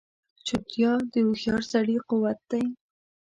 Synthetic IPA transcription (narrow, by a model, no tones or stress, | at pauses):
t͡ʃʊt̪jɑd̪əuxjɑɾsaɽiqʊwat̪̚d̪̥aj